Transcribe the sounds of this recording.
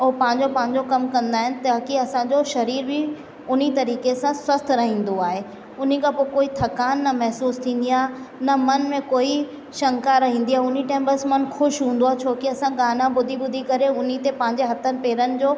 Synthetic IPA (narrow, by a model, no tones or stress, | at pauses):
oːpɐ̃ɦɪ̃ɲd͡ʑopɐ̃ɦɪ̃ɲ̆d͡ʑokɐmkɐ̃nd̪aːɦɪnɪ̆t̪aːkiɐsãɲd͡ʑoʃɐɾiːɾbʱɪ | ʊn̤it̪ɐɾiːkesãswɐst̪ʰɾɐɦĩːn̆d̪oaːɦe | ʊn̤ikʰãpoːkoːit̪ʰɐkaːnːɐmɛɦsuːst̪ʰĩːn̆d̪iaːnɐmɐnmẽkoːi | ʃɐ̃ŋkaɾɐɦĩːn̆d̪iaːɦʊn̤iʈẽːmpəsmɐnxʊʃɦũːn̆d̪oaːet͡ɕʰoːkiɐsãɡaːnãbʊd̪ʱibʊd̪ʱikɐɾeʊn̤it̪epɐ̃ɦɪ̃ɲd͡ʑeɦɐt̪ʰənɪ̆peːɾənɪ̆d͡ʑoː